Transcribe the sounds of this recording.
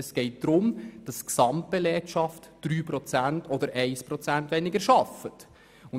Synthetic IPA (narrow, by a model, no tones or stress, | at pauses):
ɛsɡ̥ɛɪt̚d̪̥ɾʊmd̥ɑsksɑmtbɛlɛkʃɑftd̥ɾyːpɾɔt͡sæntɔd̪əɾʔɛɪspɾɔt͡sæntʋɛnɪɡəɾʃɑfət | ʊn